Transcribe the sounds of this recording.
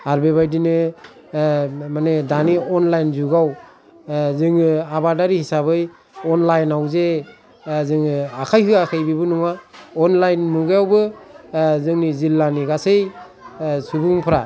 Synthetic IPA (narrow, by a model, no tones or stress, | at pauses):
aɾbeβajdinɯ | manedaniɔnlajnzuɡaw | zɯŋɯabadaɾihisabɯj | ɔnlajnawze | zɯŋɯakʰajɦɯakʰajbibɯnɔŋaɔnlajnmuɡjawbɯ | zɯŋnizilːaniɡasej | subuŋpʰɾa